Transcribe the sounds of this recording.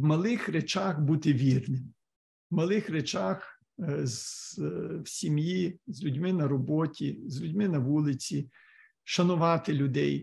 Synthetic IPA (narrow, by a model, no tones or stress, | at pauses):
wmɐlˠɪxret͡ʃɑxbut̪ɪʋʲirnɪm | wmɐlˠɪxɾet͡ʃɑx | z | wsʲimjizʲlʲʊdʲmɪnɐɾɔbɔtʲizʲlʲudʲmɪnɐʋulˠɪt͡sʲi | ʃɐnʊʋɑt̪ɪlʲʊd̪ɛj